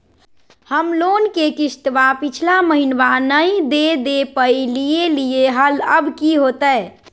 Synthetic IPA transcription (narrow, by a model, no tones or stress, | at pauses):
həmlonkekisʈ̪ʋapit͡ʃʰlaməɦinʋanəid̪ed̪epəjilijelijeɦələbkiɦot̪əj